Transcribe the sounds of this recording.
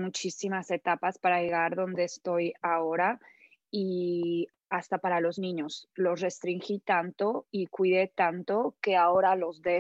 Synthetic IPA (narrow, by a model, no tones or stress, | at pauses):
mut͡ʃisimase̞t̪apaspaɾaʝe̞ɣaɾðo̞nd̪e̞ːst̪o̞jao̞ɾa | i | ast̪apaɾalo̞znĩɲo̞slo̞sre̞st̪ɾiŋxit̪ant̪o̞ikwiðe̞t̪ant̪o̞ke̞ao̞ɾalo̞zðe